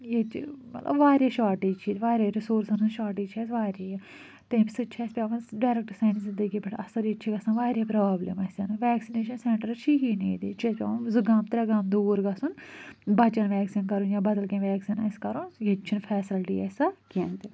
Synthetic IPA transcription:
jet͡ʃmɐt̪lɐ̰bʋaːɾeːʃaːʈiːt͡ʃʰiːd̪ʋaːɾaːɾɪsoːɾsɐnuʃaːʈiːt͡ʃʰɛːsʋaːɾiː | t̪emsɨt͡ʃʰɛːspʲjaːʋɐnɖaːɾek̚ʈsaːnzɪ̃nd̪əɡiːbɐʈʰɐsɐɾit͡ʃʰiɡɐsanʋaːɾeːpɾaːblḛmɐsɐnʋɛːksineːʃənsɛ̃ːɳʈəɾt͡ʃʰiːɦiːneːd̪ḭt͡ʃʰespʲa̰ːʋnzɨɡaːmt̪ɾɐɡaːmd̪oːɾɡɐsunbɐt͡ʃɐnʋɛːksinkɐɾunjãːbɐd̪əlkẽːʋɛːksiːnɐskɐɾoːnjet͡ʃʰinpʰɛːsɪlʈḭːɛːsakend̪e

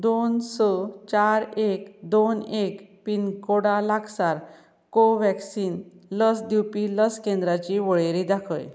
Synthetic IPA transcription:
d̪onsɔt͡ɕaɾekd̪onekpinkoɽalakʰsaɾ | koʋɛksiːnləsd̪iwpiləskẽnd̪ɾat͡ɕiʋɔɭeɾid̪akʰə̰j

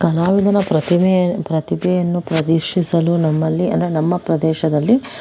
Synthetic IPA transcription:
kɐlaːʋid̪ʱɐnɐpɾɐt̪impɾɐt̪ibɛjɐnːupɾɐd̪iɾʂisɐlunɐmːɐlːiɐ̰nd̪ɾenɐmːɐpɾɐd̪ɛːʃɐd̪ɐlːi

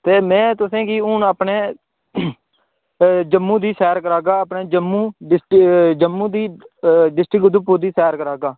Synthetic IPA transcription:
t̪eːmɛ̃ːt̪ʊsẽːɡiːʊnəpɳeː | d͡ʒəmːũːd̪iːsɛːɾkəɾaːɡaːəpɳeːd͡ʒəmːũːɖɪsʈd͡ʒəmːũːd̪iːɖɪsʈɾɪkd̪upːuːɾd̪iːsɛːɾkəɾaːɡaː

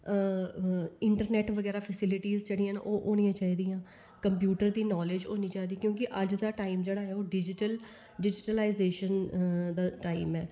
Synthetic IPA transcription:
ɪɳʈəɾnɛːʈʋəɡɛːɾaːpʰəsɪlɪʈiːzd͡ʒeːɽijãːn̰ʔoːʔoːñijãːt͡ʃaːiːd̪ijãː | kəmpjuːʈəɾd̪iːnɔːled͡ʒoːnĩːt͡ʃaːiːd̪iːkjõːkɪʔəd͡ʒd̪aːʈaːimd͡ʒeːɽaːɦɛːoːɖɪd͡ʒɪʈəl | ɖɪd͡ʒɪʈəlaːɪzeːʃənd̪aːʈaːimɛː

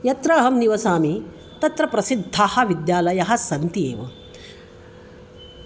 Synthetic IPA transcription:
jɐt̪ɾɐːɦɐmniʋɐsaːmi | t̪ɐt̪ɾɐpɾɐsid̪ʱːaːhɐ̆ʋid̪jaːlɐjɐɦɐsɐnt̪iḛːʋɐ̰

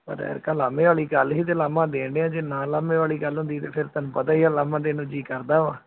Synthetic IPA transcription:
pə̰ɾɛ̰ːɾkaːlaːmẽːʋaːliːɡəlɦiːt̪̬eːlaːmãːd̪eːɳɖeːãːd͡ʒeːnãːlaːmẽːʋaːliːɡəlɦʊ̃ːnd̪iːt̪eːpʰɪɾt̪ənːpət̪aːiːaːlaːmãːd̪eːnũːd͡ʒiːkəɾd̪aːʋaː

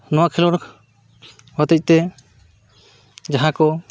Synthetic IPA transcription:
nɔwakʰilɔɾ | hət̪əc̚t̪ɛ | d͡ʒaɦãkɔ

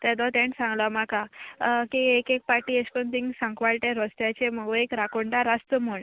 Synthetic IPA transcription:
t̪ɛd̪ɔt̪ẽɳsãŋɡlamakakiekek̚paɾʈieskont̪ĩŋɡsãŋkʋaɭʈeɾɔst̪jat͡ɕeməɡuekɾakoɳʈaɾast̪əmoɳ

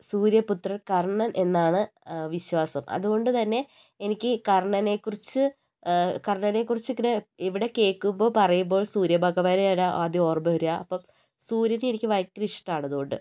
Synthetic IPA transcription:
suːɾjɐput̪rɐkɐrɳɐnʔe̞nːaːɳɨʋiɕwaːsɐmʔɐ̰ðuɣo̞ɳɖɨt̪ɐnːe̞ | enikʲːɨkɐrɐɳɐne̞kːurit͡ɕːɨ | kɐrɳɐne̞k̬ːurit͡ɕːɨkːineiʋiɽe̞ke̞ːkːumbo̞pɐrɐjumbo̞ːɭsuːɾjɐbʱɐɣɐʋaːɾɐalaʔaːd̪jɐo̞ːrɐbɐɐɾujaʔɐpːom | suːɾjɐnenikʲːɨʋɐjkːriʂʈaːɳɐðuɣo̞ɳɖɨ

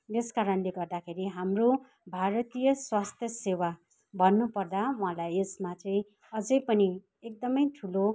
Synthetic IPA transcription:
eskaɾʌnleɡʌrd̪akʰeɾiɦamro | bʱaɾʌt̪ijʌswast̪ʰjʌsewa | bʱʌnːupʌrd̪awɦãlajesmat̪rʌj | ʌd͡zʌjpʌni | ek̚d̪ʌmʌjʈʰulo

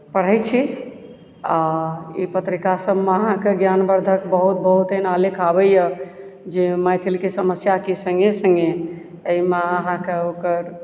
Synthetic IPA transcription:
pəɽ̤əjt͡ʃʰi | aḭpət̪ɾikasəbmeəɦãkeɡjanbəɾd̪ʱəkbəɦut̪̚bəɦut̪enalikʰabɛjə | d͡ʒemajt̪ʰilkesəməsjakisə̃ŋɡesə̃ŋɡe | əimeəɦãkeokəɾ

